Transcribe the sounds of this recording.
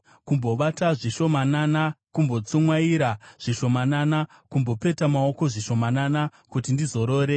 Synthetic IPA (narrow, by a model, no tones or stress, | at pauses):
kumbo̞ʋataʐiʃo̞mananakumbo̞t͡sumwaiɾaʐ̥iʃo̞manana | kumbo̞pe̞tamao̞ko̞ʐiʃo̞mananakutindizo̞ɾo̞ːɾe̞